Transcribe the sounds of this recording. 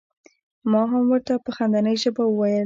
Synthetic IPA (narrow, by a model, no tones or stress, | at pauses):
mɑɦamwəɾt̪apəxand̪anəjʒəbawəwajəl